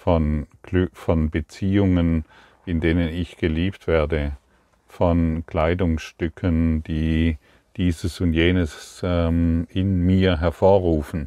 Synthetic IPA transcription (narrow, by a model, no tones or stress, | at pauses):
fɔnlfɔnbət͡siːʊŋən | ɪndeːnənɪçɡ̥əliːptv̥eːɐdə | fɔnkʰl̥aɪdʊŋsʃtʏkʰənd̥iː | d̥iːzəsʊntjeːnəsɛmɪnmiːɐɦɛɐfoːɐʁuːfn̩